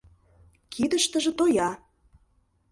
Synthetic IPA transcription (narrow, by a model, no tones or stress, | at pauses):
kʰid̪əʃt̪ə̆ʒĕt̪ojɑ